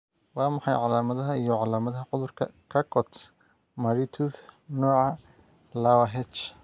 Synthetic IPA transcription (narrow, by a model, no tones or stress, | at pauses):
wɑːmɑħɑjʕɑlaːmɐðɐɦɐijɞʕɑlaːmɐðɐɦɐʕʊðʊrkʰɐ̰kʰɐkʰɔt̪ | mɐɾit̪ʰuðnɔːʕɑ | lɐwɐɦɛt͡ʃ